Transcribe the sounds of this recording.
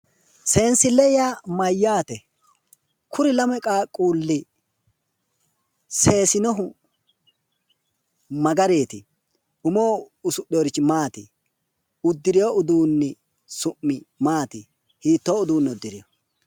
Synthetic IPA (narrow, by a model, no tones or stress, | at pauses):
se̞ːnsɪlɛjaːmɐjːaːt̪ɛ | kʰʊɾɪlɐmɛkʼaːkʼːuːlːɪ | se̞ːsɪnɔɦʊ | mɐɡɐɾeːt̪ɪ | ʊmoːʊsʊɗjoːɾɪt͡ʃːɪmaːt̪ɪ | ʊd̪ːɪɾɪjoʊd̪uːnːɪ | sʊmːɪmaːt̪ɪ | hiːt̪ːoːʊd̪uːnːɛʊd̪ːɪɾɪjɔ